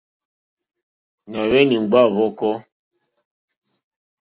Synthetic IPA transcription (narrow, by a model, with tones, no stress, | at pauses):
na˨βɛ˦ni˨ŋ͡mɡ͡ba˦˨βɔ˦kɔ˦